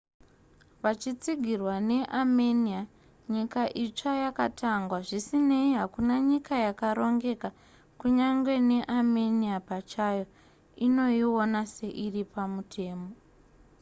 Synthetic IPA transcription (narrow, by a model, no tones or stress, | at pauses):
ʋat͡ʃit͡siɡʱirwane̞ʔamenia | ɲikaʔit͡ʂajaka̰tʰaŋɡwaʐisine̞iɦakunaɲikajakaɾo̞ŋɡe̞ka | kuɲaŋɡwe̞ne̞ʔameniapat͡ʃajo̞ | ino̞jio̞nase̞ʔiripamutʰe̞ːmo̞